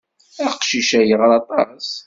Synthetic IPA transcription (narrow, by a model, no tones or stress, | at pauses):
æqʃiʃæjəʁɾˤɑt̪ˤɑs